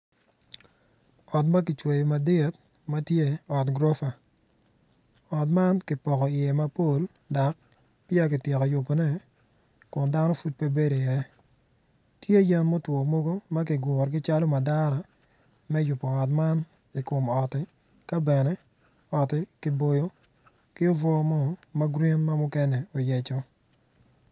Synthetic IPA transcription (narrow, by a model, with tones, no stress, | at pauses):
ɔ˨t̬ma˦k̬ɪ˨t͡ʃwe˨jma˨dɪ˦˨t̚ | ma˦tje˦ɔ˨tɡɾo˦fa˨ | ɔ˨t̬ma˦nkɪ˨pɔ˨kɔ˨ɪ˨jɛ˨ma˦po˦l | da˨k̚ | pɪa˦k̬ɪ˨tje˨kɔ˨jʊ˨po˨nɛ˦ | kʊ˨nda˦nɔ˦fu˦t̚pe˦be˦do˨jɛ˨ | tje˦a˦ja˦nmo˦twɔː˨mo˦ɡo˦ma˦kɪ˨ɡɔ˨ɾɡɪ˦t͡ʃa˦lo˦ma˨da˦ɾa˨ | mɛ˦jʊ˨pːɔ˨ɔ˨tma˦n | i˨ko˨mɔ˨tɪ˦ | ka˦bɛ˨nɛ˦ | ɔ˨tɪ˦kɪ˦bo˦jo˦ | kɪ˦o˦vɔ˦mɔ˦ma˦ɡɾi˦nma˦mʊ˦kɛ˦nɛ˨o˨jɛ˨t͡ʃɔ˦